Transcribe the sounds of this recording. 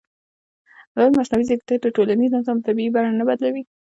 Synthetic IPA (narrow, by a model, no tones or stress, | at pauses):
laɾmasnawizəkt̪əʈ̪əʈolanizazɑmt̪abiibaɾanabad̪lawi